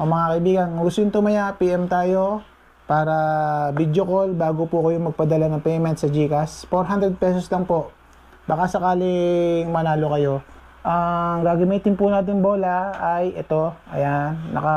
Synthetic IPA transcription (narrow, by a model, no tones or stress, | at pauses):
ʔɐŋmɐŋakɐʔɪbiːɡɐnɡʊst̪ʊjɪnt̪ʊmɐjapiʔɛmt̪aːjo̞ | paːɾɐbid̪jokolbaːɡopʊkɐjoŋmɐɡ̚pɐd̪ɐlanɐŋpɛjmɛnt̪̚sɐd͡ʒiːkɐsfoɾɦand̪ɾɛd̪̚pɛsoslɐŋpo̞ʔ | bakasɐkaːlɪŋmɐnaːlokɐjo̞ | ʔɐŋɡaːɡɐmiːt̪ɪnpʊnaːt̪̬ɪŋbo̞ːlɐɐjʔɛt̪o̞ʔɐ̰janːɐ̰kɐ